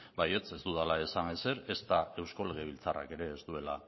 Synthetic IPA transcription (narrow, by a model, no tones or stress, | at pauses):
baje̞t͡se̞zt̪uðalaesanese̞ɾe̞st̪ae̞wsko̞le̞ɣ̞e̞β̞ilt͡sara̰ke̞ɾe̞ːst̪ue̞la